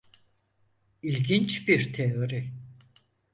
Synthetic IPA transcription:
ilʲɡint͡ʃbiɾt̪ʰeoɾi

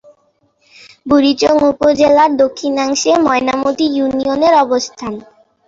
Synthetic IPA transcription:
buɾit͡ɕoŋupod͡ʑelaɾd̪okʰːinaŋʃemɔenamot̪ijunioneɾɔbost̪ʰan

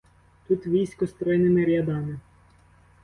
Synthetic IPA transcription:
t̪ut̪ʋʲijsʲkɔst̪ɾɔjnɪmɪɾʲjɐd̪ɑmɪ

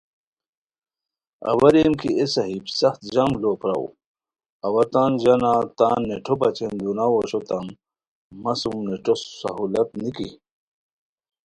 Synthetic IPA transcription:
ɐ̰wɐɾemkiesɐɦibsɐxt̪ʑamlopɾɐ̰w̰ | ɐwɐt̪aːnʑɐnat̪aːnːeʈʰobɐt͡ɕʰend̪unawoɕot̪ɐmː | ɐsumneʈosːɐ̰ɦulɐt̪nikḭ

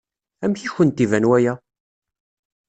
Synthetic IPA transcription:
æmçiçənt̪ivænwæjæ

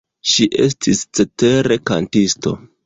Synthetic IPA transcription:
ʃiʔestʰist͡se̞te̞ɾe̞ka̰ntisto̞̰

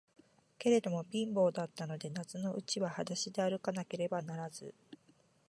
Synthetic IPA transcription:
ke̞ɾe̞d̪o̞mo̞bʲĩmbo̞ːd̪at̪ːano̞d̪e̞nat͡sɨno̞ʔɯ̟t͡ɕiβahad̪aɕid̪e̞aɾɯ̟kanake̞ɾe̞banaɾazɨ

